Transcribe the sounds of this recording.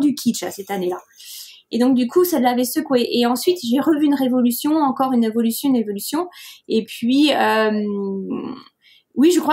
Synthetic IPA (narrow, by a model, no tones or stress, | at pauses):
d̪ykʲʰiʃa̰sɛt̪anela | ed̪ɔ̃k̚d̪ykʰusɛlːavɛsøkweʔeɑ̃sɥit̪ʒeʁəvyːnʁevɔlysjɔ̃ɑ̃kɔʁynevɔlysjɔ̃ynʁevɔlysjɔ̃epɥiøm | wiʒəkχwa